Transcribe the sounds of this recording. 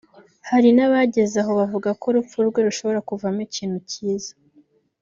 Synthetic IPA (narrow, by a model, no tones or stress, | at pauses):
haɾinaβaɟe̞zaɦo̞βavuɡako̞ɾup͡fuɾɡwe̞ɾuʃo̞βo̞ɾakuvamiciːn̥huciːzḁ